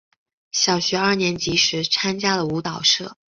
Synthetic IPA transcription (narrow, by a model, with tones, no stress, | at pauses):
ɕjɑ˨˩ʊɕɥɛ˧˥ɐ˞˥˩njɛ˧˥nt͡ɕi˧˥ʂɻ̩˧˥t͡sʰa˥nt͡ɕja˥lə˨u˧˥t̪ɑ˨˩ʊʂɤ˥˩